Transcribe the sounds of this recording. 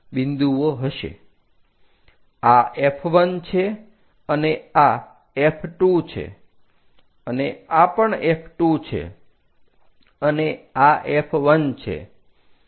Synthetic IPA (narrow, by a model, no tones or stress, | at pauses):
bĩnd̪uʋoɦəʃḛ | aepʰʋənt͡ʃʰe | ənea | epʰʈut͡ʃʰḛ | əneapəɳepʰʈut͡ʃʰḛ | əneaʔepʰʋənt͡ʃʰḛ